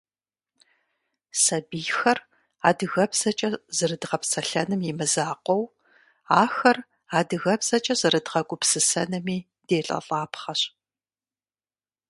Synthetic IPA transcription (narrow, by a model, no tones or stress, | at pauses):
sɐbiːxɐr | aːdɨɣɐpsɐt͡ʃʼɐzɨrɨdʁɐpsɐɬɐnɨmjɪmɨzaːqʷɔw | aːxɐr | aːdɨɣɐbsɐt͡ʃʼɐzɨɾɨdʁɐɡʷʼʊpsɨsɐnɨmiː | d̥eːɬʼɐ̰ɬʼaːpχɐɕ